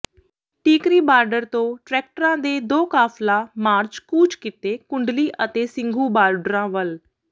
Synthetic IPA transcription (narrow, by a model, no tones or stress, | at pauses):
ʈiːkɾiːbaːɾɖəɾt̪õːʈɾɛːk̚ʈəɾãːd̪eːd̪oːkaːflaːmaːɾt͡ʃkuːt͡ʃkɪt̪eːkʊɳɖliːʔət̪eːsɪ̃ŋɡʱuːbaːɾɖəɾãːʋəl